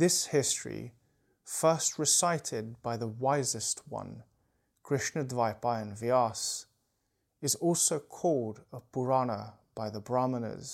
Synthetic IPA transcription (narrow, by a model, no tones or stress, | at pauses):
ðɪshɪstɹ̥ḭ | fɜ˞st̚ɹɨsaɪɾɪd̚baɪðəwaɪzɨst̚ʰwʌ̰̃n | kʰɹ̥ɪʃnɨdvaɪpaɪɨ̃nviɑs | ɨzɔlˠsoʊkʰɔlˠdəbʰəɹɑnəb̥aɪðəbɹɑmənə̰z̥